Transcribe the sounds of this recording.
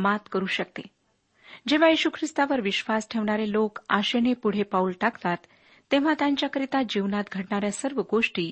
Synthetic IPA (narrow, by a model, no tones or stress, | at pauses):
mat̪kəɾuːɕək̚t̪e | d͡ʑeʋ̤ajeɕukʰɾist̪aʋəɾʋiɕʋasʈʰeʋɳaɾelokaɕenepuɽ̤epaulʈakt̪at̪ː | eʋ̤at̪jãɲt͡ɕjakəɾit̪ad͡ʑiʋnat̪ɡʱəʈɳaɾjasəɾʋəɡoʂʈiː